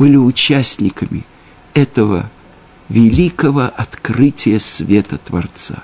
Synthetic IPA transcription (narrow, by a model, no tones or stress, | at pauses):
b̥ɨlʲɪʊt͡ɕæsʲnʲɪkəmʲɪ̰ | ɛt̪əvə̰ | vʲɪlʲikəvəʔɐt̪krɨtʲɪjəsvʲet̪ət̪vɐ̰rt̪sa̰